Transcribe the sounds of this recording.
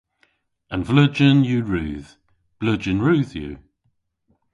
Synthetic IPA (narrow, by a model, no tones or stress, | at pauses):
ə̃nvləd͡ʒənjəɹʉːð | b̥ləd͡ʒənɹʉːðjʉ̰